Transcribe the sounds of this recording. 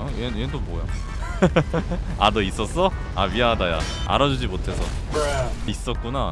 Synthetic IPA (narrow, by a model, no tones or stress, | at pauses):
enjendomoja̰ | adois͈ʌs͈ʌ | amiaɦadaja̰a̰ɾad͡ʑud͡ʑimotʰe̞sʰʌ | is͈ʌt̚k͈una